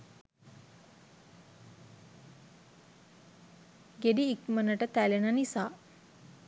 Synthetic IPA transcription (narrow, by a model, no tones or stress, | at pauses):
ɡeɖiːkmənəʈət̪ælenanisaː